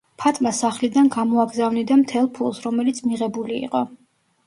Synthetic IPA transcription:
pʰat̪ʼmasaχlid̪anɡamɔaɡzavnid̪amt̪ʰɛlˠpʰulˠsɾɔmɛlit̪sʰmiʁɛbulḭːqʼɔ

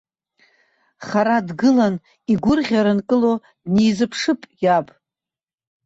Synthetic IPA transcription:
χaɾadɡɨlan | iɡʷʊrʁʲaɾɨnkʼɨlo | dnijzɨpʰʂɨpʼjabʼ

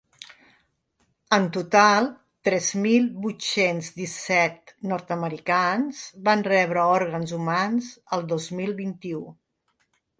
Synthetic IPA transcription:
ənt̪ut̪alˠ | t̪ɾɛzmilˠbut̪senzd̪isɛt̪̚nɔɾt̪əməɾikanz̥βanrɛβɾəɔɾɣ̞ənzumanzəlˠd̪ozmilˠβint̪iu

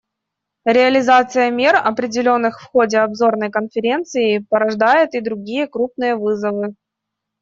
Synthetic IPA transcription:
ɾʲɪɐlʲɪzat̪sɨjəmʲerɐpɾʲɪdʲɪlʲo̞nːɨxfxodʲɪɐbzo̞rnəjkənfʲɪɾʲe̞nt̪sɨɪpəɾɐʐd̪ajɪt̪ɪd̪ɾʊɡʲijəkɾup̚nɨjəvɨzəvɨ

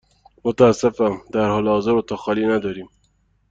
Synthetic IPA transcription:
mʊt̪aːsɪfad̪aɾhɑlɑzɪɾʊt̪axɑlinad̪aɾi

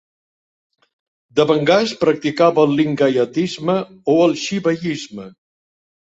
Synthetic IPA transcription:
d̪əβəŋɡaspɾək̚t̪ikaβəlˠliŋɡajət̪izmə | oəlˠʃiβəʎizmə

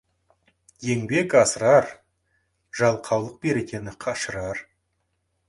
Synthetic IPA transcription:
je̞ŋbe̞kɑsəɾɑɾ | ʒ̥ɑlˠqʰɑwlˠəq̚be̞ɾe̞kʲe̞nɪqʰɑʃəɾɑɾ

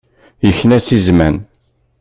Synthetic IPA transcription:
jəçːnæt͡sːizmæn

